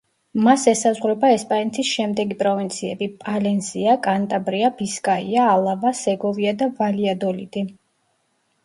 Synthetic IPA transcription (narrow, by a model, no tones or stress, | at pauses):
masɛsazʁwɾɛbaɛspʼanɛt̪ʰisʃɛmd̪ɛɡipʼɾɔvint̪sʰiɛ̰bipʼalɛnsiakʼant̪ʼabɾiabiskʼaiaːlˠavasɛɡɔviad̪avaliad̪ɔlḭd̪i